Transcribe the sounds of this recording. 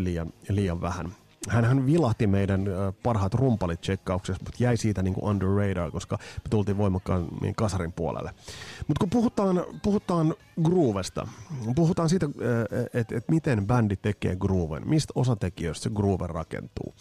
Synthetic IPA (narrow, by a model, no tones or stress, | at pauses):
liːjɑnliːjɑʋʋæhæ̰n | hænhænʋilɑht̪imeidænpɑrɦɑt̪rumpɑlit̪̚t͡ʃekːɑuksesmut̪jæisiːt̪æniːŋkṵʔɑndərːeidɑːko̞skɑmet̪ult̪iːʋʋo̞imːˑɑkːɑːnḭkɑsɑrimpuo̰lḛlːemut̪kupuhut̪ˑɑːnpuhut̪ɑːn | ɡruːʋest̪ɑ̰puhut̪ɑːnsiːt̪æet̪et̪mit̪enbændit̪ekḛːɡruːʋḛnmist̪osɑt̪ekiøist̪seɡruːʋḛrɑkḛnt̪ṵː